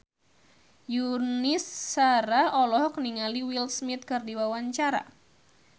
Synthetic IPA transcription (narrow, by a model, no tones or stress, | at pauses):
junisːaɾaɔlɔɦɔkniŋaliwilsmit̪̚kɨrdiwawaɲt͡ʃaɾa̰